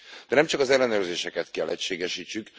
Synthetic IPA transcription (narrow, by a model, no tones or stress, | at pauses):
d̪̥ɛnɛmt͡ʃɒkɒzɛlːɛnøːrzeːʃɛkɛt̪kɛlːʔɛcʃeːɡɛʃiːt͡ʃːyk